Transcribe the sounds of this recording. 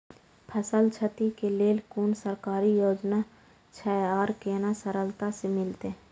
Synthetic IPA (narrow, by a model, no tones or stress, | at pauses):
pʰəsəlt͡ʃʰət̪ikeleːlkuːnsəɾkaːɾijoːd͡ʒna | t͡ʃʰɛaːɾkeːnasəɾəlt̪asemɪlt̪eɦ